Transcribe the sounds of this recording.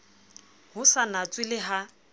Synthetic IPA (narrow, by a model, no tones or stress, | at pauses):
hʊsanat͡sʼwɪlɪɦa